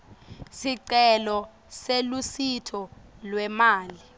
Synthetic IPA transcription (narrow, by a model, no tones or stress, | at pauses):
siǀɛlɔ | selusitʰɔ | lwɛmaːli